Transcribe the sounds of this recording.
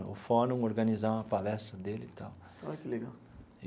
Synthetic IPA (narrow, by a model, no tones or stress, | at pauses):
ʊfonũoɾɡɐ̃nizãɐpalɛst̪ɾɐd̪elɪt̪aw | alɐkɪleɡaw